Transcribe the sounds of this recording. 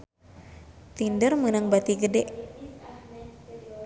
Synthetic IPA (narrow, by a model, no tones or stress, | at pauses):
t̪indərmənəŋbat̪iɡədɛʔ